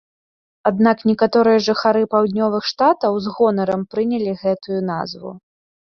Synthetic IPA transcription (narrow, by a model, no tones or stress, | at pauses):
ad̪naknʲɛkat̪ɔɾɨjɐʐɨxaɾɨpawd̪ʲnʲɔvɨxʂt̪at̪ɐwzɣɔnɐɾɐmpɾɨnʲɛlʲiɣɛt̪ujun̪a̰zvṵ